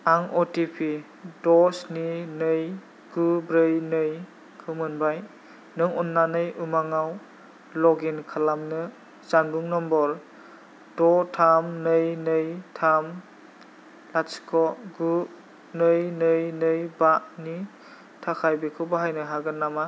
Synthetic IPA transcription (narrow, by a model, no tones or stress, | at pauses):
aŋɔtipʰi | dɔsninɯj | ɡ̥ubɾɯjnɯj | kʰɯmɯnbaj | nɯŋɔnːanɯjʔumaŋaw | lɔɡinkʰalamnɯ | z̥anbuŋnɔmbɔɾ | d̥ɔtʰamnɯjnɯjtʰam | laskʰɔɡu | nɯjnɯjnɯjbaʔni | tʰakʰajbikʰɯwbaɦajnɯɦaɡɯnːama